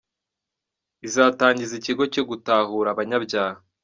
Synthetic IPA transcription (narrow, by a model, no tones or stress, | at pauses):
izaːtaːɲɟiziciɡo̞coɡutaːhuːɾaβaɲabɟaːha